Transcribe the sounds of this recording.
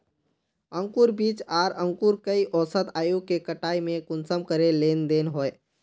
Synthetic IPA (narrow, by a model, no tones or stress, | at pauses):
ə̃ŋkuɾbiːt͡ʃaːɾə̃ŋkuɾkəiʔɔːsət̪aːjukekəʈaːimẽkʊnsəmkəɾeleːnd̪eːnɦoːe